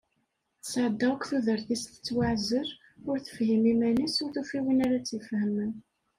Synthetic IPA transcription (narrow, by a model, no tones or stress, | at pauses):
θsʕəd̪ːækʷθuðəɾθist̪ə̥t͡sːwaʕzəɾ | ʊɾθə̥fhimimænisʊɾθufiwinaɾat͡sːifhəmən